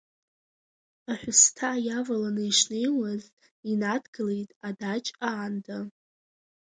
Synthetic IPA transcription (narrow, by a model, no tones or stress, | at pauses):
aħʷᶣʊstʰajavalanɨjʂne̞jwaz | inadɡɨlejtʼadat͡ʃʼaːnda